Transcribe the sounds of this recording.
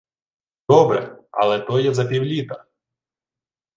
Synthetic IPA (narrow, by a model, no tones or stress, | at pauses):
d̪̥ɔbɾɛ̰ɐ̰lˠɛt̪ɔjɛzɐpʲiwlʲit̪ɐ